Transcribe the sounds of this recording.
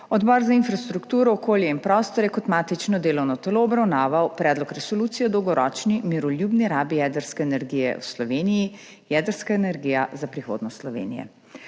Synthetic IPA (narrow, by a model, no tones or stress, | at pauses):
ɔd̪bɔːɾzainfɾast̪ɾukt̪uːɾɔːkoːljɛinpɾɔst̪ɔɾjɛkɔt̪maːt̪it͡ʃnɔd̪eːlɔwnɔt̪ɛloːbɾawnaːʋawpɾɛːd̪lɔkɾɛsɔluːt̪sijɛd̪ɔwɡɔɾɔːt͡ʃnimiɾɔljuːbniɾaːbijɛːd̪əɾskɛːnɛɾɡijɛ̰wslɔʋeːniji | jɛd̪əɾskaenɛɾɡiːjazapɾixo̰ːd̪nɔst̪slɔʋḛːnḭjɛ̰